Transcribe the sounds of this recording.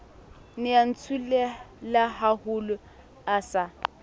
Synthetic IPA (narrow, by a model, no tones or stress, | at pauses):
nɪan̩t͡sʰulelaɦahʊlʊ | asa